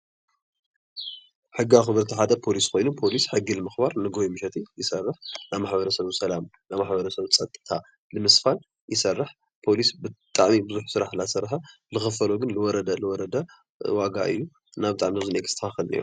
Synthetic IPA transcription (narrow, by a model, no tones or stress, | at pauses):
ħɨɡːaxɨβɨɾt̪ʰiħad̪ɐpʰo̞liskʰo̞jnupʰo̞lisħɨɡːilɨmɨxbaɾnɨɡojimɨʃɛt̪ʰijɪsɐrːɨħnamaħbɐɾɐsɐβsɐlam | namaħbɐɾɐsɐβt͡sʼɐt̪ʼːɨt̪ʰa | lɨmɨsfal | jɪsɐrːɨħ | pʰo̞lisbɨt̪ʼaʕmibɨzuħsɨɾaħlasɐɾħɐlɨxɨfɐloɡɨnlɨwɔɾɐd̪ɐlɨwɔɾɐd̪ɐ | waɡa̰ʔɨ̰jːu | nabɨt̪ʼaʕmizɐzɨnekʰɨ̥t̪ʰɐxaxɨlnḛɾu